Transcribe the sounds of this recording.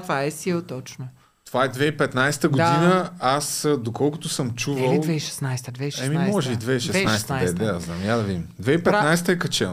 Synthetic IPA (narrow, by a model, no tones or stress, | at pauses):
t̪vaɛsilˠt̪ɔt͡ʃno | t̪ovaɛd̪vɛipɛt̪najsɛ̥t̪əɡʊd̪inəasd̪okɔlˠkʊt̪ʊsɤmt͡ʃuvəivɛiʃɛ̥snajst̪əd̪vɛiʃɛmimɔʒɛid̪vɛiʃɛsjsɛt̪əaɛd̪azna̰mjad̪ɐvimd̪vɛipɛt̪najsɛ̥t̪əɛkɐt͡ʃɛn